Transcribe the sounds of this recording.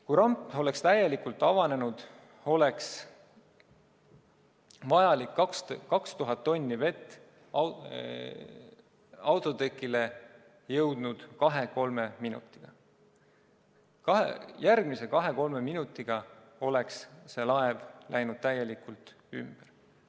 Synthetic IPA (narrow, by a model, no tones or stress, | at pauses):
kujɾɑmpo̞le̞kst̪æje̞likult̪ːˑɑvɑne̞nud̪̥ | o̞le̞ks | vɑjɑlikːkskɑkst̪uɦɑt̪ːo̞nʲːive̞t̪ˑː | ɑwt̪ˑo̞t̪ekˑːile̞ | jɤwd̪̥nud̪̥kɑɦe̞ko̞lme̞minṵt̪ːˑi̥ɡ̥ɑ | kɑɦjærɡ̥mise̞kɑɦe̞ko̞lme̞minut̪ːiɡ̥ɑ | o̞le̞ksse̞lɑevlæjnud̪̥̚t̪æjːe̞likult̪ˑ | ymb̥er